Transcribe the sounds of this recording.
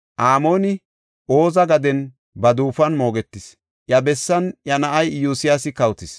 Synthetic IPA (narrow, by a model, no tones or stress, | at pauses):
ʔaːmo̞ːnɪ | ʔo̞ːzɐɡɐd̪ɛn | bɐd̪uːfɐnmo̞ːɡɛt̪ːɪs | ʔjɐbɛsːɐnjɐnɐʔɐjjuːsɪjasɪkɐwt̪ɪs